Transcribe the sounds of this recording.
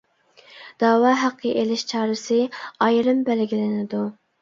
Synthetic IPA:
d̪̥ɑːwɑːɦæqʰːəʔelɪʃt͡ʃʰɑːɾɨsɨɑjɾɨmbælɡʲilɪnɪd̪u

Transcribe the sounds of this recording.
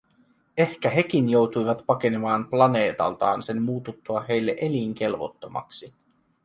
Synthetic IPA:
e̞hkæɦe̞kinjo̞wt̪ujʋɑt̪pɑke̞nemɑːmplɑne̞ːt̪ɑ̰lt̪ɑ̰ːnse̞mmuːt̪ut̪ːuɑɦe̞jlːeʔe̞liŋk̟e̞lʋo̞̰t̪ːo̞mɑ̰ksi

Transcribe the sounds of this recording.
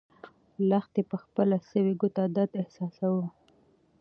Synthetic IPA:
laxt̪epəxpəlasəwiɡut̪ad̪ad̪ɪhsɑsawu

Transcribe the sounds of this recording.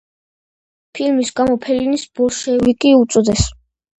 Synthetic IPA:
pʰilmisɡamɔpʰɛlinisbɔʃɛvikʼiut̪sʼɔd̪ɛs

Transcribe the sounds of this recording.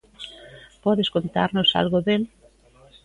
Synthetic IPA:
pɔðeskont̪a̰ɾnosa̰lɣoðel

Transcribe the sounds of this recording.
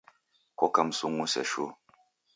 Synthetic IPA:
kɔkamsuŋusɛ̰ʃu

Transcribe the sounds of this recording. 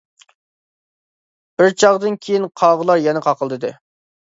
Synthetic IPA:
b̥ɪɾt͡ʃʰɑʁd̪ɨnkʲʰejinqʰɑʁəlˠɑɾjɛnɪqʰɑqʰəlˠd̪ɨd̪ɨ

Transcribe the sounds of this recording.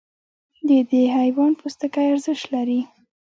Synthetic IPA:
d̪əd̪eɦajwɑnpʰust̪əkajaɾzəʃt̪laɾi

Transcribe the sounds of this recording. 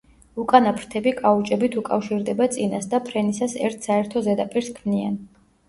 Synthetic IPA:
ukʼanapʰɾt̪ʰɛbikʼaut͡ʃʼɛbit̪ʰukʼafʃiɾd̪ɛbat̪sʼinasd̪apʰɾɛnisasɛ̰ɾt̪ʰsaɛɾt̪ʰɔzɛd̪apʼiɾskʰmnian

